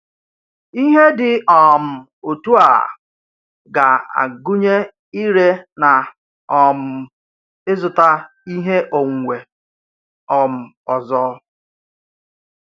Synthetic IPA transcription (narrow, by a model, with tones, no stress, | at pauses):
i˦ɦe˦dɪ˨ɔ˨m̩˨ | o˨tu˦a̰˨ | ɡa˨a̰˨ɡʊ˦ɲe˦ | i˦ɾe˦na˨ | ɔ˨m̩˨ | ɪ˦zʊ˨ta˦ | i˦ɦe˦ʔo˨ŋ̩ʷ˨e˨ | ɔ˨m̩˨ | ɔ˨zɔː˦